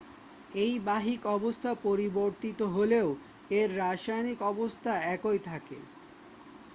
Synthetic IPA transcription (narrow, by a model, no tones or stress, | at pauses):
ejbaɦikɔbost̪ʰapoɾiboɾt̪it̪oɦoleo | eɾːaʃajnikɔbost̪ʰaɛkojt̪ʰakḛ